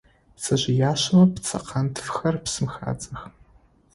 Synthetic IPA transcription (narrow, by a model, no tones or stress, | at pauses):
sɐʑɪjaːʃɐmɐpt͡sʰɐ̰qʰɐntʰfxɐrpsɨmxa̰ːt͡sʼɐx